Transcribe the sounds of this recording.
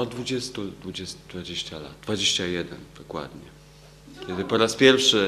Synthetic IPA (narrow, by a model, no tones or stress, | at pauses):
ad̪vud͡ʑɛst̪ud̪vud͡ʑɛst̪d̪vad͡ʑeɕt͡ɕala̰d̪̚d̪vad͡ʑeɕt͡ɕajɛd̪ɛnd̪̥ɔkwa̰d̪ɲɛ | kʲɛd̪ɘpɔɾaspʲjɛɾfʂɘ